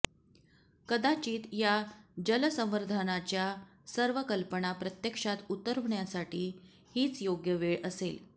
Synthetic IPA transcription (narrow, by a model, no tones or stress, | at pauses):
kəd̪at͡ɕiːt̪jad͡ʑələsə̃m̃ʋəɾd̪ʱanat͡ɕja | səɾʋəkəlpəɳapɾət̪jəkʂat̪ut̪əɾʋɳjasaʈiː | hiːt͡sjoɡjəʋeɭəsel